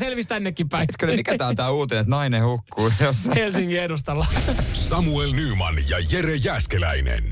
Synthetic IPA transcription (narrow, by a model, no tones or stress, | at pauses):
selʋist̪ænːekːippæit̪kølmmikææːt̪æːuːt̪enet̪nɑinehukːuːjoshelsiŋkiedust̪ɑlːɑsɑmuelnyːmɑ̰njɑjeɾejæːskelæ̰inḛn